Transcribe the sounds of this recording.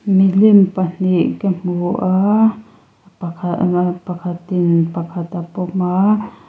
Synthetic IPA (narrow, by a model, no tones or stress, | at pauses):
milimpaniʔkəmuʔa | pakʰapakat̪inpakʰat̪apoma